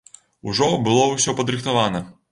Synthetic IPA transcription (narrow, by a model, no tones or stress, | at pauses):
uʐɔbɨlˠɔwsʲɔpɐd̪ɾɨxt̪avanɐ